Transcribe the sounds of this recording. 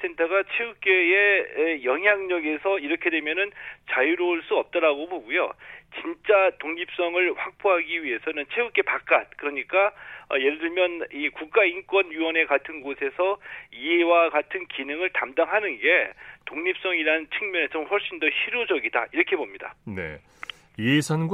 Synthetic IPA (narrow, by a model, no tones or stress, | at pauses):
sʰe̞ntʰʌɡat͡ɕʰeuk͈e̞jejʌŋɦjaŋɲʌɡe̞sʰʌiɾʌkʰe̞dwe̞mjʌnɯnt͡ɕajuɾoɭs͈uʌp̚t͈ʌɾaɡoboɡujo̰t͡ɕint͡ɕ͈atoŋɲip̚s͈ʌŋɯɭɸwak̚p͈oɦaɡiɥiɦe̞sʰʌnɯnt͡ɕʰeuk͈e̞pak͈at̚k͈ɯɾʌɲik͈aʌje̞ɾɯdɯɭmjʌnikuk̚k͈aink͈wʌnɥuwʌne̞katʰɯnɡosʰe̞sʰʌie̞waɡatʰɯnkinɯŋɯɭtamdaŋɦanɯnɡe̞toŋɲip̚s͈ʌŋiɾant͡ɕʰɯŋmjʌnet͡ɕomɸwʌɭɕ͈indʌɕiɾod͡ʑʌɡidaiɾʌkʰe̞bomɲida̰ne̞̰ | esʰanɡ